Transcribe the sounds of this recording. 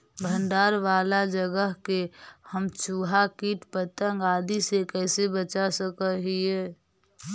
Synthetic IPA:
bʱənɖ̪aːɾʋaːlad͡ʒəɡəɦkehəmt͡ʃuːɦakiʈpət̪ə̃ŋɡaːd̪isekɛːsebət͡ʃasəkəɦiɦɛː

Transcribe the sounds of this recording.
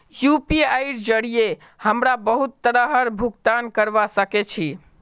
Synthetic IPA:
jupiajɾd͡ʒəɽije | həmɾabəɦut̪ːəɾəɦəɾbʱukt̪ankəɾbasəket͡ʃʰi

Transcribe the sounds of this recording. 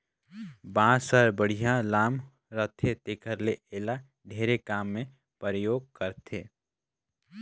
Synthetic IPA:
bãːsəɾbəɽ̤ijãlaːm | ɾət̪ʰːet̪eːkʰəɾleʔeːla | ɖʱeːɾekaːmːẽ | pəɾəjoːɡ̚kəɾt̪ʰeː

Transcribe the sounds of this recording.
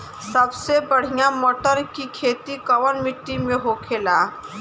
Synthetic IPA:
səbsebəɽ̤ijamoːʈəɾkikʰet̪ikəʋənmiʈːimeɦokʰela

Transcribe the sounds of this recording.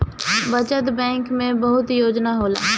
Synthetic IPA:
bət͡ʃət̪bɛ̃ːŋkmẽbəɦʊt̪joːd͡ʒnaɦoːla̰ː

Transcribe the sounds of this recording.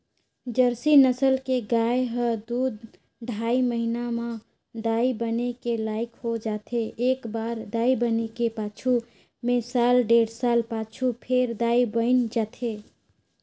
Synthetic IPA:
d͡ʒəɾsinəsəlkeɡajɦəd̪ud̪ | ɖʱaiməɦinamã | d̪aibənekelaikɦod͡ʒat̪ʰeːkbaɾd̪aibənekepat͡ʃʰu | mesalɖeɽsalpat͡ʃʰupʰeɾd̪aibəɪnd͡ʒat̪ʰe

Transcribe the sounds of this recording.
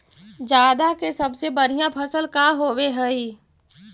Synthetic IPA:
d͡ʒaːd̪akesɐbsebəɾ̤ijãpʰəsəlkaɦoːweɦɛi

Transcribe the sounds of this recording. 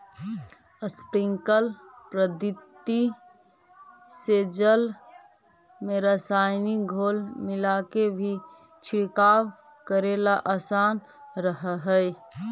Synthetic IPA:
əspɾɪŋkəlpɾəd̪ɪt̪ːi | sed͡ʒəl | meɾəsaɪniɡʱoːlmɪlakebʱi | t͡ʃʰɪɽkaːw | kəɾelaʔasaːn | ɾəɦɦəj

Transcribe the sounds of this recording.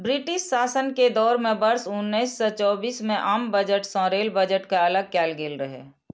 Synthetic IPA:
bɾɪʈɪʃsaːsənked̪ɔːɾmẽbəɾsʊnːəɪsːɔt͡ʃɔːbiːsmẽʔaːmbəd͡ʒəʈsɔ̃ɾeːlbəd͡ʒəʈkaɐləɡ̚kɛːlɡeːlɾəɦɛ̰ː

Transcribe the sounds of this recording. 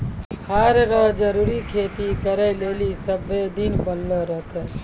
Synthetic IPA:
haɾɾəɦd͡ʒəɾuɾikʰet̪ikəɾəjlelisəbʱːed̪inbənləɾəɦt̪ə

